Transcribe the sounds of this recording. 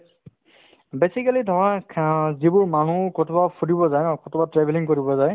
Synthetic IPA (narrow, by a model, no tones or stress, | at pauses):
besikalidʱɔɹazibʊɹman̤ũkɔtʰɔbapʰudibɔzajnɔkɔtʰɔbatɹɛbʱɛliŋkoɹibɔzaj